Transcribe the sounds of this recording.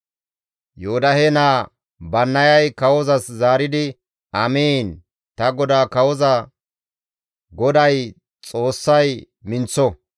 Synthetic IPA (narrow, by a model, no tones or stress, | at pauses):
joːd̪ɐhenaː | bɐnːɐjɐjkɐwɔzɐszaːɾɪd̪ɪ | ɐmiːn | t̪ɐɡɔd̪aːkɐwɔzɐ | ɡɔd̪ɐj | t͡sʼo̞ːsːɐj | mɪnt͡sːɔ